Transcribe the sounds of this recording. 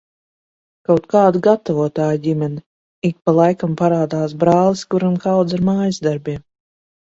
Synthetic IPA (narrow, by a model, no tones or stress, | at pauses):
kawt̪̚kaːd̪uɡat̪avuɔt̪aːjɟʲimʲɛnʲi | ik̚palˠajkampaɾaːd̪aːsbɾaːlˠiskuɾamkawd̪zaɾmaːjizd̪aɾbʲiɛ